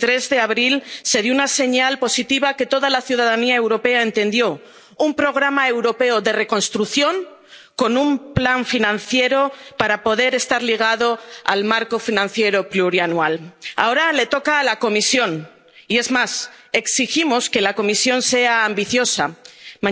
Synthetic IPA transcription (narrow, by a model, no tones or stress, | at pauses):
t̪ɾe̞zðe̞aβɾilse̞ðjounase̞ɲalpo̞sit̪iβake̞t̪o̞ðalaθjuð̞aðaniae̞wɾo̞pe̞ae̞nt̪ẽ̞nd̪jo̞ | umpɾo̞ɣ̞ɾamae̞wɾo̞pe̞oðe̞re̞ko̞nst̪ɾuθjo̞ŋ | ko̞nũmplaɱfinãnθje̞ɾo̞paɾapo̞ðe̞ɾe̞st̪aɾliɣ̞aðo̞a̰lmaɾko̞finãnθje̞ɾo̞pluɾianuala̰o̞ɾale̞t̪o̞kaːlako̞misjo̞n | ie̞zmase̞ksiximo̞ske̞lako̞misjo̞nse̞aːmbiθjo̞sa